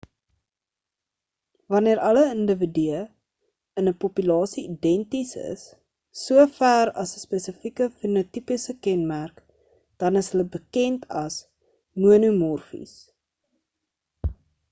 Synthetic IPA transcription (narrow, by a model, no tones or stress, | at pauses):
vɐniəɾʔɐləəndəvidyə | ənəpɔpylɑːsiidɛntisə̰sː | uəfæːɾɐsəspesəfikəfinutipəsəkɛnmærk | d̥ɐnəsɦələbəkɛntʰɐs | muənumɔrfḭs